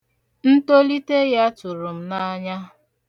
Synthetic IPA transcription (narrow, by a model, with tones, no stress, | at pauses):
n̩˦to˦li˦te˦ja˦tʊ˨ɾʊ˨m̩˦na˦ɲa˦